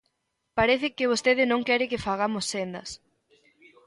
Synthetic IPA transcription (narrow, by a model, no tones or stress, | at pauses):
paɾɛθɪkɪβost̪eðɪnõŋkɛɾɪkɪfaɣ̞amʊsːend̪ɐs